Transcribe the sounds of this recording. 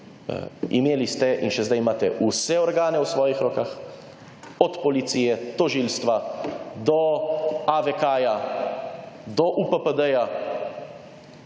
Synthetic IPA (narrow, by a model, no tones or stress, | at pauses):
ḭmeːlist̪ɛʔinʃɛzd̪ajmaːt̪ɛʔusɛɔɾɡaːnɛwsʋɔːjixɾɔːkax | ɔt̪pɔlit̪siːjɛt̪ɔʒiːlst̪ʋad̪ɔ | aʋɛkaːja | d̪ɔʔupəpəd̪əja